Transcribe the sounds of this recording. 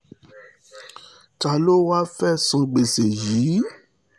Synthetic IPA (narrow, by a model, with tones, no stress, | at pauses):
ta˨lo˦wa˦fɛ˦sɔ̃˨ɡ͡be˨se˨ji˨˦